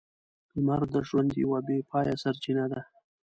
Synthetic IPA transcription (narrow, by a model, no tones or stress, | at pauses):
maɾd̪əʒwand̪jawabepʰɑjasaɾt͡ʃinad̪a